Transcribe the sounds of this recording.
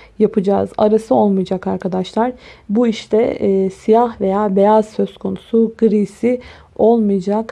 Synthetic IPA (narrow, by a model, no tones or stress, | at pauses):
japʰɯd͡ʒa̰ːza̰ɾasɯo̞lˠmɯjd͡ʒakaɾkʰad̪aʃlˠaɾ̥buiʃt̪ɛ̰sijahve̞jaːbe̞jaz̥sø̞z̥kʰonusuɡɯɾisi | o̞lˠmɯjd͡ʒak